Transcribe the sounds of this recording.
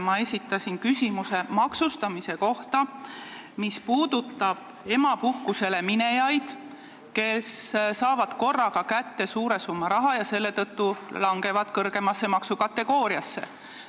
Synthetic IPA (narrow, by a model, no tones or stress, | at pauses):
mɑe̞sʲit̪ːˑɑsʲinkysʲimuse̞mɑksust̪ɑmise̞ko̞ht̪ɑ | mispuːd̪ut̪ːˑɑb̥̚ | e̞mɑpukːuse̞le̞mine̞jɑjd̪̥ | ke̞ssɑːvɑd̪̥ko̞rːɑɡ̥ɑkæt̪ːe̞suːɾe̞sumːɑɾɑɦɑjɑse̞lːe̞t̪ɤt̪ːulɑŋɡ̥e̞vɑd̪̥kɤrɡ̥e̞mɑsːe̞mɑksukɑt̪ːe̞ɡ̥o̞ːɾiɑsːe̞̰